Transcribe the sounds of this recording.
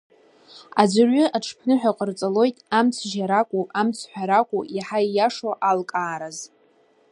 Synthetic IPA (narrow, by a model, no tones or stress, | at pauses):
ad͡zʷarʷʏʔaʈ͡ʂʰpʰnɨħʷᶣaqʼərt͡sʼalo̞jtʼamt͡sʰʒaɾakʷʼuamt͡sʰħʷᶣaɾakʷʼuaħaijaʂoʔalkʼaːɾaz